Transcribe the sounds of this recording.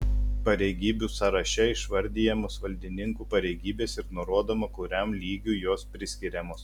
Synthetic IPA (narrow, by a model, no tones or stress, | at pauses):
pɐɾʲɛɪɡʲiːbʲuːsɐɾɐʃʲɛɪʃʋɐɾʲd̪ʲiːjɛmoːsʋɐlʲd̪ʲɪnʲɪŋkuːpɐɾʲɛɪɡʲiːbʲeːsɪɾnoɾuɔd̪oːmɐkʊɾʲæˑmlʲiːɡʲuːjoːspʲɾʲɪsʲkʲɪɾʲɛmoːs